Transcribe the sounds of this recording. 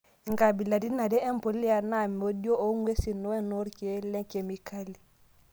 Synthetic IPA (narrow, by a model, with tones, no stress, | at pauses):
ŋɡa˨bi˨la˨di˦na˨dɛ˦e˦mpo˨li˦a˨na˦˨m˨o˦djo˦ʔo˦ŋwe˦si˨no˦we˦no˦ɾke˦le˦ŋke˨mi˨ka˦li˨